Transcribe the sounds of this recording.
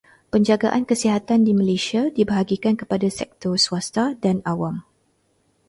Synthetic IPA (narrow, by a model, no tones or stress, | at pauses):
pəɲd͡ʒaɡaʔankəsiɦat̪andimə̃leʃiadibəɦaɡikankəpadasɛ̰k̚t̪ɔrsuast̪adanawam